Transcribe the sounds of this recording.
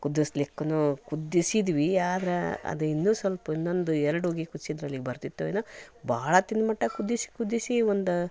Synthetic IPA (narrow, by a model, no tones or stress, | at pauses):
kud̪ːislikːɐnukud̪ːisid̪ʋiaːd̪ɐɾeɐ̰d̪uinːuːsʋɐlpɐinːo̞nd̪uɛɾɐɽoːɡikud̪sid̪ɾɐlːiɡebɐɾt̪it̪ːueːnoːbaːɭɐt̪inːmɐʈːɐkud̪ːisi̥kud̪ːisiʋond̪u